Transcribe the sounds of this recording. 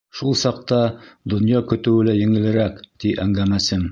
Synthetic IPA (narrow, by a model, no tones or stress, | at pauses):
ʃulˠsɑq̚t̪ɑd̪ŏnjɑkɵ̆t̪ɘ̆wɘ̆læjɘ̆ŋɘ̆lɘ̆ɾækt̪iʔæŋɡæmæsɘm